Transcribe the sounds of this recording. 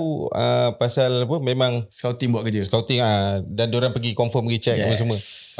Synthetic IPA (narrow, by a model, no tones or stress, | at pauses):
ə̰pasalpəmẽmãŋskawt̪ɪŋbuaʔkəd͡ʒəskawt̪ɪŋadandoɾaŋpəɡikɔmfəmɡit͡ʃɛəməs̬əmə̃